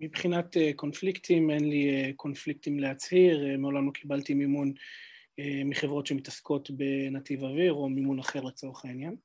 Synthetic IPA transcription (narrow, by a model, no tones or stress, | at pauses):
mibχinat̪eko̞nfliktʰimenliekʰo̞nflik̚timlehat͡shiʁemeolamlokʰibaltimimun | emiχevʁo̞tʃe̞mitasko̞t̪be̞nat̪ivaviʁo̞mimunaχeʁlet͡so̞ʁeχainjan